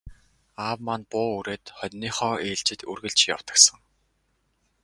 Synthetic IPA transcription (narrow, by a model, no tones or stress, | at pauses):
aːwmanpʊːuɾeːt̪χœt̪ʲniːχɔːeːɮt͡ɕɪ̆t̪urɣɘ̆ɮt͡ɕja̰w̥t̪ə̆ksə̆ŋ